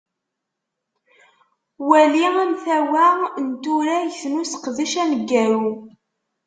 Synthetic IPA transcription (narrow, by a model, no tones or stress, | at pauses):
wæliæmθæwænt̪uɾæjθnusə̥qðiʃænəɡːæɾu